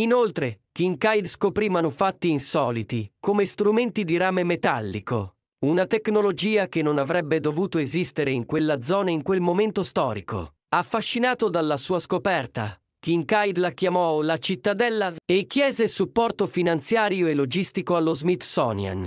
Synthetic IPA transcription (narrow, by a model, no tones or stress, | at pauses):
inolt̪ɾek̟iŋkajd̪skopɾimanufat̪ːiːnsɔːlit̪ikomest̪ɾument̪id̪iɾaːmemet̪alːiko̰ | unat̪eknolod͡ʒiːakenːonavɾɛbːed̪ovuːt̪oezist̪eɾeiŋkwelːad̪zɔːnaiŋkwelmoment̪ost̪ɔ̰ːɾikʰo̰ | afːaʃːinaːt̪od̪alːasuːaskopɛrt̪a̰ | kiŋkajd̪lak̟jamɔlat͡ʃit̪ːad̪ɛlːaekːjɛːzesupːɔrt̪ofinant̪sjaːɾjoelːod͡ʒist̪ikoalːozmit̪ːsɔnja̰n